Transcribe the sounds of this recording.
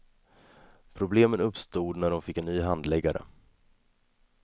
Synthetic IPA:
pʰɾʊbleːmənɵpst̪uːd̪næɖɔmfɪkːɛnːnyːɦand̪lɛɡːaɾʔə̰

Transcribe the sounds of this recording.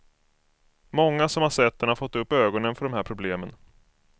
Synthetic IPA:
mɔŋːasɔmhaɾsɛt̪ːɛɳhafɔt̪ːɵpːøːɡɔnənfœɖɔmhæːɾpʰɾʊbleːmən

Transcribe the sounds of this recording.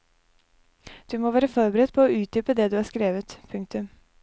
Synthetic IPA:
d̪̥ʉːmoːʋæːɾəfɔɾbəɾɛd̪̚pʰɔɔʉːt̪̚d̪yːpəd̪ɛd̪ʉːæːɾskɾeːʋət̪pʰʉŋkt̪ʉm

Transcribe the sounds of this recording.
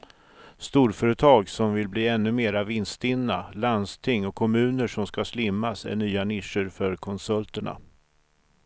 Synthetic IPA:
st̪uːɾfœːɾət̪ʰɑːɡsɔmvɪlbliːɛnːɵmeːɾavɪnst̪ɪnːa̰land̪st̪ʰɪŋːɔkʰːɔmʉ̟ːnəʂɔmskaslɪmːasæ̰ɳyːanɪʂəɾfœɾkʰɔnsɵlt̪əɳa̰

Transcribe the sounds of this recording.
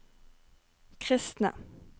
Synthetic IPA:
kʰʁɪst̪na̰

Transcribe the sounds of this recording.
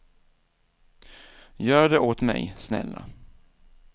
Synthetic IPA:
jœːɖɛʔoːt̪mɛ̰jsnɛ̰lːa

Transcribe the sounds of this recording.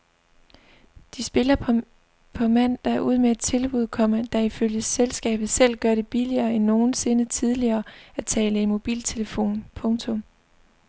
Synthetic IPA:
d̥isb̥e̝lɐ | pʰɒ̽mæn̰d̥ɑ̈æɐʔuð̰ˠmee̝d̥̚t͡sʰe̝lb̥uð̞ˠkʰɒ̽m̰ɐd̥ɑ̈iføljəselsɡ̥ɛ̰ːb̥ð̞̩ˠsel̰ɡ̥ɶɐɾ̥e̝b̥iliɐːenːo̝ːn̩se̝nət͡sʰið̞ˠliɐːæt͡sʰɛ̰ːləimo̝b̥ḭːlt͡sʰe̝ləfo̝̰ːnpʰɔ̽ŋt͡sʰɔ̽m

